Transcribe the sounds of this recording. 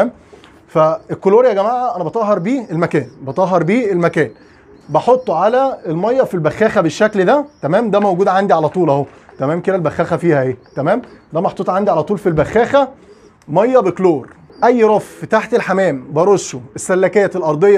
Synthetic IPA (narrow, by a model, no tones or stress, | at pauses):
m | fæelkːoloːɾjæɡæmaʕʔæʔænæbet̪ˤɑʔɦːɑɾˤbiːelmækæːnbet̪ɑʔɦːɑɾˤbiːelmækæːn | bɑħot̪ˤːʕalæelmɑjːɑfilbæxːæːxæbeʃːækld̪æt̪æmæːmd̪æmæwɡuːd̪ʕand̪iʕalæt̪ˤuːlʔæhot̪æmæːmked̪ælbæxːæːxæfiːhæʔeːt̪æmæːmd̪æmɑħot̪ˤːeːt̪ʕand̪iʕalæt̪ˤuːlfilbæxːæːxæ | mɑjːɑbekloːɾ | ʔæjːɾˤɑft̪aħt̪elħamæːmbɑɾˤoʃːoʔesːælːækejːælʔɑɾˤd̪ˤejː